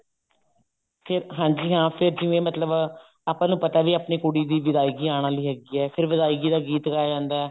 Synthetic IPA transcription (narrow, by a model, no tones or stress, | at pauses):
pʰɪɾɦãːɲd͡ʒiːɦãːpʰɪɾd͡ʒɪʋẽːmət̪ləb | aːpãːnũːpət̪aːʋiːaːpɳiːkʊɽiːd̪iːʋɪd̪aːiɡiːaːɽ̃ãːləiːɦɛːɡiːɛːpʰɪɾʋɪd̪aːiɡiːd̪aːɡiːt̪ɡaːd͡ʒãːnd̪aːɛː